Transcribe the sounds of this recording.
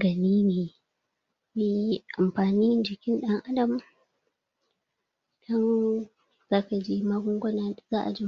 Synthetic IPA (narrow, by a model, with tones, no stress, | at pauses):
ɡɐ˨niː˦neː˨ | me˦ji˦ʔa˨mɸaː˨niː˦d͡ʒɪ˨kʲɪ˦nɗɐ˦ŋʔa˦dɐ˨m | d̥ɔ˦n | zaː˦ka˨d͡ʒeː˦maː˦ɡʷʊ˦ŋɡʷɔ˦naː˨zaː˦ʔa˨d͡ʒɪ˦